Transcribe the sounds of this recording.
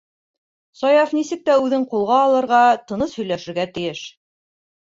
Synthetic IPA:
sɑjɑfnisɘk̚t̪æʉðɘɴqulˠʁɑːlˠɤ̆ɾʁɑt̪ɤ̆nɤshɵ̆jlæʃɘ̆ɾɡæt̪ɘ̆jɘʃ

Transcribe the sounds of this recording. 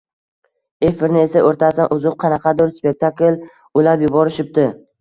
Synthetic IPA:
efɪɾnɪe̞saʔoɾt̪ʰasanʔʊzʊq̚qʰɑnɑqʰɑd̪ʊɾspʲe̞k̚t̪ʰakl | ʊlapjʊbɒɾɪʃɪp̚t̪ɪ

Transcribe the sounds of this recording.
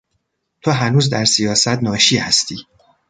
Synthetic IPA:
t̪ʰoɦænuːzd̪æɾsijɒːsæt̪nɒːʃiːhæst̪ʰiː

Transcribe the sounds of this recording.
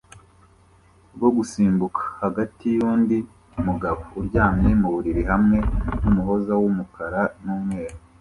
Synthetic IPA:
ɾɡo̞ɡusiːmbukʰḁhaɡatijuːndi | muɡaβouɾɟaːmɲemuβuɾiɾiɦamŋe̞numuɦo̞zawumukaɾanuːmŋe̞ːɾa

